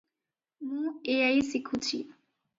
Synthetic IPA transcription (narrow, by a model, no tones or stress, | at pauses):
mũeajsikʰut͡ɕʰḭ